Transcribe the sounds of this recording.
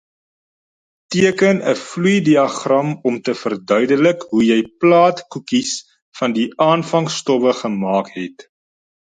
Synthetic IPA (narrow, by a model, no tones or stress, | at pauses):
tiəkənəflujdiɐχrɐmɔmtəfərdœɥdələkɦujɛjplɑːtkukis | fɐndiʔɑːnfɐŋstɔvəχəmɑːkɦɛt